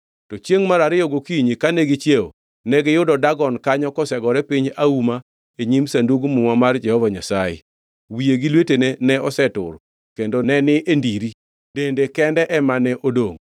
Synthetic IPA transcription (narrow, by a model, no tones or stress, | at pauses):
tɔt͡ʃjeŋmaɾaɾɪjɔɡokiɲikanɛɡɪt͡ʃjeo̰ | nɛɡɪjʊdɔdaɡɔnkaɲɔkɔsɛɡɔɾɛpiɲauma | eɲimsanduɡmʊŋamard͡ʒɛhɔvaɲasajɛ̰ | wijeɡilwetenenɛɔsɛtʊ̰ɾ | kendonɛnɪʔendiɾi | dendekɛndɛʔɛmanɛʔodoŋ